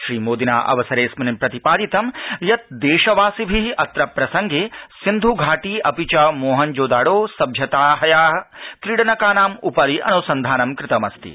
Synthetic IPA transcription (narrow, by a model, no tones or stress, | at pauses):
ʃɾiːmoːd̪ina̰ːʔɐ̰ʋɐsɐɾeːsmɐnimpɾɐt̪ipaːd̪it̪ɐmjɐt̪̚d̪eːʃɐʋaːsibʱiɐt̪ɾɐpɾɐsɐŋɡeːsind̪ʱuɡʱaːʈiːɐpit͡ʃɐmoːɦɐnd͡ʒoːd̪aːɽoːsɐbʱjɐt̪aːɦɐjaːɦɐkɾiɽɐnɐkaːnaːmupɐɾiʔɐ̰nusɐnd̪ʱaːnɐmkɾɪt̪ɐmɐst̪ḭ